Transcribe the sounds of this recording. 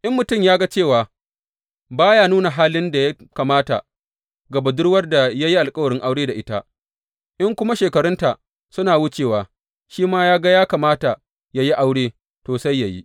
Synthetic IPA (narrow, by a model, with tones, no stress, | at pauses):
ʔɪ˦mːʊ˨tʊ˦˨mjaː˦ɡa˦t͡ʃeː˦˨waː˨ | baː˦jaː˦nuː˦na˨ɦaː˦lɪ˦nda˨ja˦kaː˨maː˦ta̰˨ | ɡɐ˨ba˨dʊ˦ɽwɐ˦rda˨ja˦ji˦ʔa˨lkʼɐ˦wɐ˨ɽɪ˦ŋʔa˦wɽeː˦da˨ʔɪ˦ta˦ | ʔɪ˦ŋkʷʊ˦ma˦ʃeː˨kɐ˨ɽʊ˦nta˨ | sʊ˦naː˨wʊ˦t͡ʃeː˨waː˨ | ʃiː˦maː˦jaː˦ɡa˦jaː˦kaː˨maː˦ta˨ | ja˦ji˦ʔa˦wɽeː˦ | toː˨sa˦jːa˨jḭ˦ʔ